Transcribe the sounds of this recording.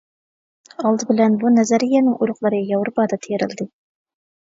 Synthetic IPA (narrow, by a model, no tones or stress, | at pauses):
ɑlˠd̪ɨbɪlɛnbunɛzæɾijɛnɪŋʔuɾʊqlˠɑɾɨjɑwɾpɑːd̪ɑt̪ʰejeɾɪ̰ld̪ɪ